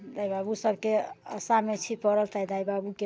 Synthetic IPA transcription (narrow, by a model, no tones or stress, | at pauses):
d̪ajbabusəbʱkeə̰samet͡ʃʰipəɾəlt̪aid̪ajbabuke